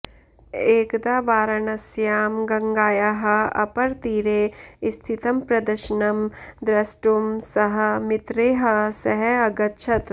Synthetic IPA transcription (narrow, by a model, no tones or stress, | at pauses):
eːkd̪aːʋaːɾɐnɐsjaːmɡɐŋɡaːjaɦɐ̆ɐ̰pɐɾt̪iːɾeːst̪ʰit̪ɐmpɾɐd̪ɐɾʃɐnɐmd̪ɾɐsʈumsɐɦɐ̆mɪt̪ɾeːɦɐsɐɦɛɐɡɐtːʃʰɐt̪